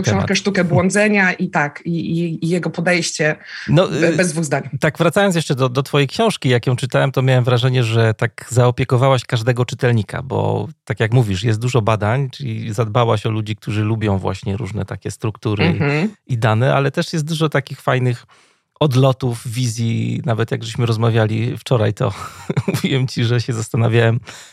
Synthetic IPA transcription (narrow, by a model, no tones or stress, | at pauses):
k̪ɔ̰̃kɛʂt̪ukɛbwɔnd̪zɛɲaʔit̪akiiːjɛɡɔpɔd̪ɛjɕt͡ɕɛnɔbɛzd̪vuɣzd̪aɲt̪aɡvɾat̪sajɔnsjɛʂt͡ʂɛd̪ɔd̪ɔt̪fɔjɛjkɕɔ̃w̃ʂkʲijakjɔ̃w̃t͡ʂɘt̪awɛmt̪ɔmʲjawɛmvɾaʐɛɲɛʐɛt̪akzaɔpʲjɛkɔvawaɕkaʐd̪ɛɡɔt͡ʂɘt̪ɛlɲikʰa̰bɔ̰t̪akʲjakmuvʲiʂjɛst̪d̪uʐɔbad̪aɲt͡ʂɘlʲḭzad̪bawaɕɔlud͡ʑik̚t̪ʰuʐɘlubʲjɔ̃w̃vwa̰ɕɲɛɾuʐnɛ̰t̪akʲɛst̪ɾukt̪uɾɨid̪anɛʔa̰lɛt̪ɛʂjɛst̪̚d̪uʐɔt̪akʲixfajnɘx | ɔd̪lɔt̪ufvʲizʲjinavɛt̪jaɡʐɛɕmɘɾɔzmavʲjalʲift͡ʂɔɾa̰jt̪ɔ̰muvʲiwɛmt͡ɕiʐɛɕɛzast̪anavʲjawɛm